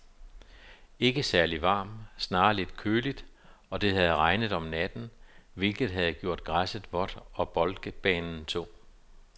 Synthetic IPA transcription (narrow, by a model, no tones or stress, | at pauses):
e̝ɡ̥əsæɐliʋɑ̰̈ːmsnɑ̈ːle̝d̥kʰøːlid̥ | ɒ̽d̥e̝hæð̞̩ˠʁɑ̈ɪnəð̩ˠɒ̽mnæd̥n̩ʋe̝lɡ̥ð̩ˠɦæð̞̩ˠɡ̥jo̝̰ɐ̰d̥̚ɡ̥ʁasəðˠʋɒ̽d̥ɒ̽b̥ɒ̽lɡ̥əb̥ɛːnn̩t͡sʰo̝̰ː